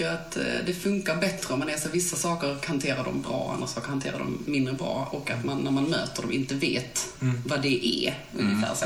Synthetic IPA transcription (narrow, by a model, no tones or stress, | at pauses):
at̪d̪ɛfɵŋkaɾbɛt̪ɾəɔmːanɛsɔvɪsːasɑːkəɾɔkhant̪ʰeːɾadɔ̰mbɾɑ̰ːʔa̰nɾasɑːkəɾhant̪ʰḛːɾa̰dɔ̰mːɪnd̪ɾəbɾɑ̰ːɔkːat̪manːæɾmanmøːt̪əɖɔmʔɪnt̪əveːt̪vad̪ɛʔæ̰ | ɵ̰njəfæ̰ːɾ